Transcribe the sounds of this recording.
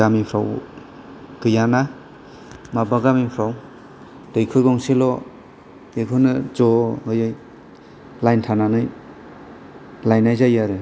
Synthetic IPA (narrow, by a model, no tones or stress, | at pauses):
amipʰɾa̰w | ɡɯjana | mabaɡamipʰɾaw | dɯjkʰɯjɡɔŋsilɔ | ekʰɯnɯd͡ʒɔɯjɯj | lajntʰananɯj | lajnajzajaɾe